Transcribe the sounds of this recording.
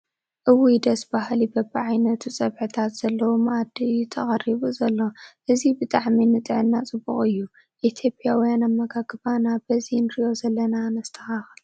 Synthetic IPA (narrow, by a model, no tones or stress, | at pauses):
ʔɨwid̪ɐsbahlibɐbɨʕajnɐt̪ʰut͡sʼɐβħɨt̪ʰat̪z̥ɐlːɐwumʔad̪it̪ʰɐχʼɐriβuzɐlːoʔɨzibɨt̪ʼaʕminɨt̪ʼɨʕɨnːat͡sʼɨbːṵχʼɨjːu | ʔit̪ʰjo̞pʼijawijanamːɐɡaɡɨβanabɐzinɾijo̞zɐlːɐnanɐst̪ʰɐ̥xax